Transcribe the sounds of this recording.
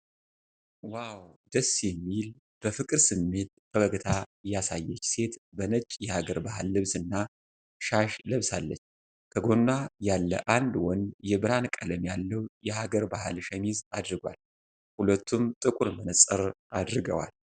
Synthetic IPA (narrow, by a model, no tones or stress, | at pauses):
wawd̪əsjɛmːil | b̥əfɨkʼɨɾsɨmːe̞t̪̚bʰəbəɡət̪ʰajasajːɛt͡ʃːse̞t̪bənət͡ʃʼjɛhaɡəɾbahalːɨβsɨnːa | ʃaʃləβsalːə̰t͡ʃː | kʰəɡo̞nːajalːə̰ʔand̪wɔnjɛbɨɾankʼələmjalːəwjɛhaɡəɾbaha̰lʃɛmizad̪ɾɨɡwa̰l | hulət̪ʰːumt̪ʼɨkʼuɾmənsʼəɾʔad̪ɾɨɡəwa̰l